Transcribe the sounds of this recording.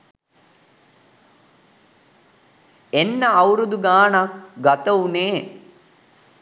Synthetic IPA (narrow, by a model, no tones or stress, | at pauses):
enːəɐwɾud̪uɡaːnakɡɐt̪ɐuneː